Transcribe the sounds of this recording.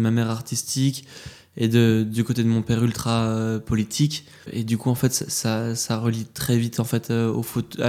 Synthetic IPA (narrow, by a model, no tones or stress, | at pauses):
əmamɛʁaʁt̪ist̪ikʲ | ed̪əd̪ykot̪ed̪əmɔ̃pɛʁylt̪χaøpɔlit̪ʰikʲ | ḛd̪ykuɑ̃fɛt̪sasasaʁəlit̪χɛvit̪ʰɑ̃fɛt̪ʰøofot̪a